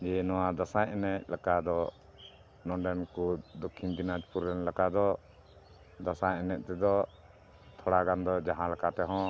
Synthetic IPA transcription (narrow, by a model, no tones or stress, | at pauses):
d͡ʒɛnɔwad̪asajɛnɛʔ̚lakad̪ɔ | nɔ̃ɖɛnkud̪ɔkʰːind̪inad͡ʒpuɾɛnlakad̪ɔ | d̪asaɛnɛʔ̚ˀt̪ɛd̪ɔ | t̪ʰɔɽaɡand̪ɔd͡ʒaɦãlakat̪ɛɦɔ̃